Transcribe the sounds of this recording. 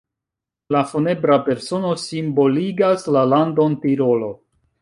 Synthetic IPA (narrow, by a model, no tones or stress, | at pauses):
lafone̞bɾape̞ɾso̞no̞simbo̞liɡaslalando̞ntiɾo̞lo̞